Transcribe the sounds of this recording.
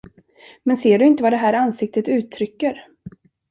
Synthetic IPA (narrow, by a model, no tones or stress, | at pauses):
mɛnseːɖɵɪnt̪əvad̪ɛɦæːɾansɪk̚t̪ət̪ʉ̟ːt̪ʰːɾʏkːəɾ